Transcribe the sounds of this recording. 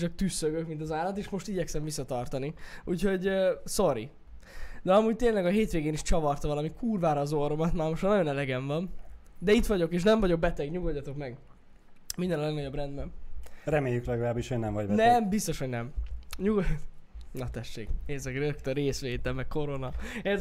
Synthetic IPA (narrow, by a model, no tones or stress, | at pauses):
t͡ʃɒk̚t̪ysːøɡøkmint̪̬ɒzaːlːɒt̪eːʃmo̞ʃt̪iɟɛksɛmvisːɒt̪ɒrt̪ɒniuːcho̞ɟsoɾi | d̪ɛɒmuːɟ̚t̪eːnlɛɡɒɦeːt̪ʋeːɡeːniʃt͡ʃɒvɒrt̪ɒvɒlɒmikʰuːrvaːɾɒːzoɾomɒt̪maːrmoʃtnɒɟjo̞nɛlɛɡɛɱvɒn | d̪ɛit̪ʋɒɟo̞keːʃ̬nɛɱvɒɟo̞k̚bɛt̪ɛɡɲuɡolɟɒt̪o̞kmɛɡ | mind̪ɛnɒlɛɡnɒɟo̞brɛnd̪bɛmrɛmeːjyklɛɡɒlaːbiʃhoɟnɛmvɒɟbɛnɛmbist̪o̞ʃho̞ɟnɛmɲuɡ | nɒt̪ɛʃːḛːkneːzɛkrøkt̪øɾeːsʋeːt̪ɛlmɛkko̞ɾo̞nɒɛ